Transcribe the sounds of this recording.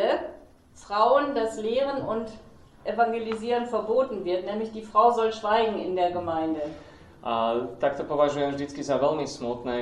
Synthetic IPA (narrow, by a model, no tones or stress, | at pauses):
ə | fʁ̥aʊəndasleːʁ̞ənʊnt | ʔɛfaŋɡeliziːʁənfɛɐboːtn̩vɪɐtnɛːmlɪçd̥iːfʁ̥aʊzɔlʃv̥aɪɡŋ̩ɪ̰ndeːɐɡəmaɪndə | ʔat̪ak̚t̪ɔpɔvaʒujɛmʒdɪt͡skizavɛlmismut̪nɛ